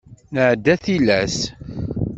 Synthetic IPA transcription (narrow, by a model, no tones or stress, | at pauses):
nəʕd̪ːæθilæs